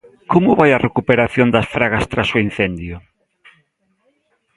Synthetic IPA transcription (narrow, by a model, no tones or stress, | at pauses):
komʊβajɐrekupeɾaθjond̪ɐsfɾaɣast̪ɾasoin̟θend̪jʊ